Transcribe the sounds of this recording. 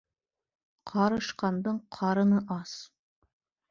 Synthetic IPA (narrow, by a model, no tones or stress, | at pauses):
qʰɑɾɤ̆ʃqɑnd̪ɤɴqʰɑɾɤ̆nɤʔɑs